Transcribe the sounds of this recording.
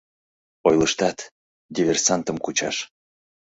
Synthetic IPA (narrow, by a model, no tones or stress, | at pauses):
ojləʃt̪ɑt̪ | d̪ʲivʲersɑnt̪əmkut͡ɕɑ̰ʃ